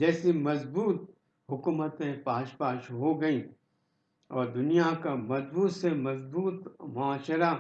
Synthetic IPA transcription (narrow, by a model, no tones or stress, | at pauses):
d͡ʒɛːsimɐzbuːt̪̚ | ɦʊkuːmət̪ẽpaːʃpaːʃɦoɡɐĩ | ɔːɾd̪ʊnijakamɐzbuːt̪semɐzbuːt̪mʊaːʃəɾa